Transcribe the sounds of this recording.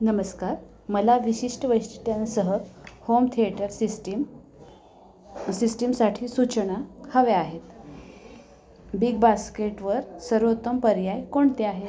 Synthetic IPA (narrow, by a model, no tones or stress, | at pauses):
nəməskaɾ | məlaʋiɕiʂʈəʋəjsʈit̪jansəɦəhomt̪ʰieʈəɾsiʈ | sisʈimsaʈʰiːsut͡ɕɳahəʋeaɦet̪ | biɡbaskeʈʋəɾsəɾʋot̪əmpəɾjajkoɳt̪eaɦe